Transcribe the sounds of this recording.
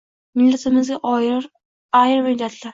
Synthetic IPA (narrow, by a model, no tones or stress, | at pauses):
mɪlːat̪ʰɪmɪzɡʲaʔ | ajɪɾmɪlːat̪ʰlaɾ